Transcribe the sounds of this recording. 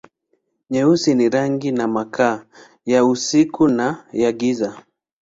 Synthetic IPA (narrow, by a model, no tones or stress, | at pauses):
ɲɛusiniɾaŋɡinamakʰaː | jausikunajaɡiza